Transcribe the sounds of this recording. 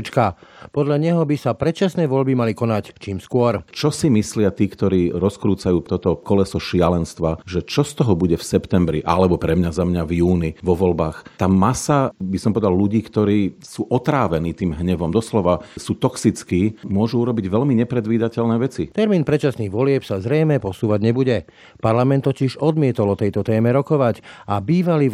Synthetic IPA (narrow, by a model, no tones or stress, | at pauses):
t͡ʃkapɔd̪ʎaɲɛɦɔbisapɾɛt͡ʃasnɛjʋɔʎbimalikɔnact͡ʃiːmskʊɔɾt͡ʃɔsimislɪat̪iːkt̪ɔɾiːɾɔskɾuːt͡sajuːt̪ɔt̪ɔkɔlɛsɔʃɪalɛnst̪ʋaʒɛt͡ʃɔst̪ɔɦɔbuɟɛfsɛpt̪ɛmbɾḭʔa̰lɛbɔpɾɛmɲazamɲavjuːniʋɔʋɔlbaːxt̪aːmasabisɔmpɔʋɛd̪alluɟiːkt̪ɔɾiːsuːʔɔt̪ɾaːʋɛniːt̪iːmɦɲɛʋɔmd̪ɔslɔʋasuːt̪ɔksit͡skiːmʊɔʒuuɾɔbiɟʋɛlʎmiɲɛpɾɛd̪ʋiːd̪acɛlnɛːʋɛt͡sit̪ɛɾmiːnpɾɛt͡ʃasniːɣʋɔlɪɛpsazɾɛjmɛpɔsuːʋaɟɲɛbuɟɛ | paɾlamɛnt̪ːɔciʒɔd̪mɪɛt̪ɔlɔt̪ɛjt̪ɔt̪ɛːmɛɾɔkɔʋacabiːʋali